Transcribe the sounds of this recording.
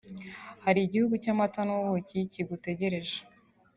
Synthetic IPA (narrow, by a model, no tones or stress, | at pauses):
haɾiːɟihuɡucamatanoβociciɡute̞ɟe̞ɾe̞ʒe